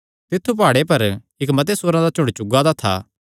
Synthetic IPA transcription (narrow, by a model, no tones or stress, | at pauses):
t̪ɪt̪ʰːupaːɽepɐɾ | ɪkmɐt̪esʊːɾãd̪at͡ʃʊ̃ɳɽɖt͡ʃʊɡad̪at̪ʰa̰ː